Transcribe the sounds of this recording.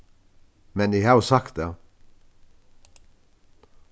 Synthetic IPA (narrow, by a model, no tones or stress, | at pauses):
mɛnjæɪhɑːjʊsɑkt̪̚d̪eː